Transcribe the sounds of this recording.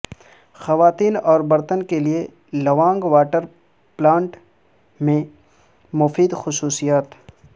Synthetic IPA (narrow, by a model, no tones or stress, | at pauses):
xɐʋaːt̪iːnɔːɾbɐɾt̪ənkelie | lɐʋãːŋɡʋaːʈəɾ | plãːɳʈ | mẽ | mʊfiːd̪xʊsuːsijaːt̪